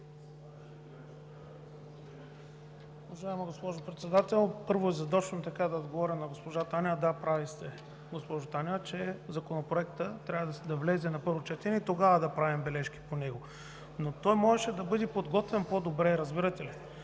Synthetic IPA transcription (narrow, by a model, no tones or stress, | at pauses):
ovɐʒaimɐɡospɔʒopɾɛt̪sɛd̪at̪ɛlˠpɤɾvoɛzɐd̪ɔt͡ʃnot̪ɐkad̪ɐod̪ɡovɔɾʲɐnɐɡospoʒat̪anid̪apɾavist̪ɛ | ɡospɔʒʊt̪anʲt͡ʃɛzɐkonopɾoɛkt̪ət̪ɾʲavəd̪d̪ɐvlɛzɛnɐpɤɾvot͡ʃɛt̪ɛnɛit̪oɡavɐd̪ɐpɾavimbɛlɛʃki̥ponɛɡo | not̪ɔjmɔʒɛʃɛd̪ɐbɤd̪ɛpod̪ɡɔt̪vɛnpod̪obɾɛɾɐzbiɾɐt̪ɛli